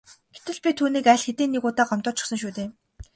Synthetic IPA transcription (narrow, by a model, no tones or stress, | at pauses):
ɡ̥et̪ɘ̆ɮpʲit̪ʰuːniːkæɮxet̪eːnːeɣʊːt̪aːɢɔm̥t̪ɔːt͡ɕʰɪ̥̆xsə̆ŋʃ̬uːt̪eːm